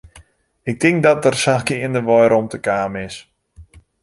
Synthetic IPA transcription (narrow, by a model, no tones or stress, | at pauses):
ɪk̚tɪŋk̚dɔt̚ərsakɪəndəʋɔjɾɔmtəkaːmɪs